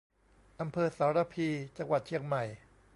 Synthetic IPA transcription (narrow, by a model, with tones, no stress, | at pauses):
ʔa˧mpʰɤː˧saː˩˦˥ɾa˧pʰiː˧t͡ɕa˧ŋwa˨˩t̪̚t͡ɕʰi˧əŋma˨˩j